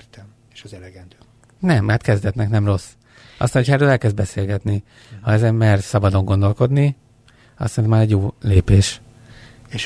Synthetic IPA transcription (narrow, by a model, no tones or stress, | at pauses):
t̪ɛm | eʃzɛlɛɡɛnd̪ø | nɛmat̪kɛzd̪ɛt̪nɛknɛmro̞sː | ʔɒ̰st̪anocʰhɒɛrøːlɛlkɛzd̪̚bɛseːlɡɛt̪ni | hɒɛzɛmɛrsɒbɒd̪o̞ŋɡo̞nd̪o̞lko̞d̪ni | ɒ̰st̪sɛnimaːɾɛɟːoːleːpeːʃ | eʃ